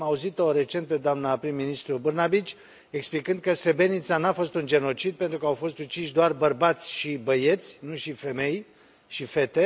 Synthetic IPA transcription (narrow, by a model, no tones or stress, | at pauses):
mauzit̪o̞ɾe̞t͡ʃe̞nt̪̚pe̞d̪oamnapɾimːinist̪ɾubɨrnabit͡ʃʲ | eksplikɨnd̪̚kəst̪ɾebe̞nit̪sanafo̞st̪und͡ʒe̞no̞t͡ʃid̪̚pent̪ɾukəawfo̞st̪ut͡ʃiʃ̬d̪oarbərbat̪sʲʃibəje̞t̪sʲnuʃife̞me̞j | ʃife̞t̪e̞